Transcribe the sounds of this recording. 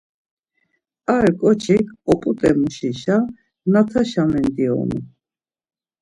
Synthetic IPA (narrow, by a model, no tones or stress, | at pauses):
aɾkʼɔt͡ʃʰikʰɔpʼut̪ʼɛmuʃiʃa | nat̪ʰaʃamɛnd̪iɔ̰nṵ